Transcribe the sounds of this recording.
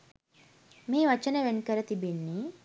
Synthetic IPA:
miːʋət͡ʃənəʋenkəɾət̪ibinːi

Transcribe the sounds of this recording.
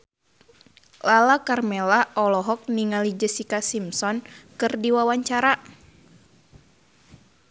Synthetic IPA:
lalakarmɛlaʔɔlɔɦɔk̚niŋalid͡ʒəsikasimsɔnkɨrdiwawaɲt͡ʃaɾa

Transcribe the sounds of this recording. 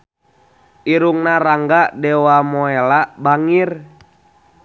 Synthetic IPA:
ʔiɾuŋnaɾaŋɡaʔdɛwamɔɛlabaŋir

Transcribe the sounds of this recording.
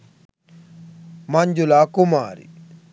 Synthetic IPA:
mɐɲd͡ʒulakuma̰ːɾḭ

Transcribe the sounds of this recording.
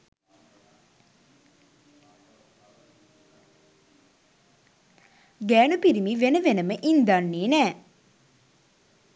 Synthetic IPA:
ɡæːnupiɾimiʋenəʋenəməʔind̪anːeːnɛː

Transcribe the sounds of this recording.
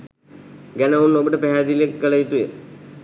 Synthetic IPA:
ɡænɐunːobəʈəpæɦæd̪ilekːəlɐit̪ujə

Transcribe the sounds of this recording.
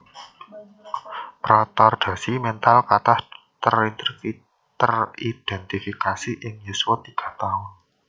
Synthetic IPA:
pɾat̪ɔrd̪̥ä̤simɛnt̪alkat̪ah | t̪ərint̪ɾiki | t̪ərid̪̥ɛnt̪ifikasiʔɪŋjuswat̪iɡ̥a̤t̪aʊn

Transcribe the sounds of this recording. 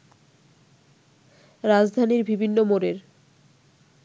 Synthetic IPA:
ɾad͡ʑd̪ʱaniɾbibʱinːomoɾeɾ

